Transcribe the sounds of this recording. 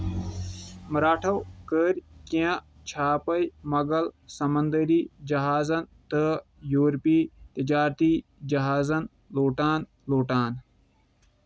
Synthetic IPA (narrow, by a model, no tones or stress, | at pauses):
mɐɾaːʈʰɐwkəːɾʲkiã | t͡ʃʰaːpɐjmɐɡɐlsɐmɐnd̪əɾiːd͡ʒɐɦaːzɐnt̪ə | joːɾpiːt̪əd͡ʒaːɾt̪iːd͡ʒɐɦaːzɐn | loːʈaːn | loːʈaːn